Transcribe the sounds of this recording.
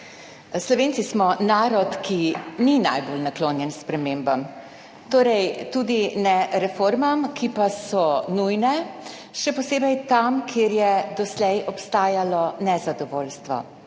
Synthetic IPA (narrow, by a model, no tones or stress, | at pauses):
slɔʋeːnt̪sismɔnaːɾɔt̪kʰinina̰jbolnakloːnjɛnspɾɛmembam | t̪oːɾɛjt̪ud̪inɛɾɛfoːɾmamkʰipasɔnujnɛ | ʃɛpɔseːbɛjt̪amkʰeɾjɛd̪ɔslɛjɔpst̪aːjalɔnɛzad̪ɔʋoːlst̪ʋɔ̰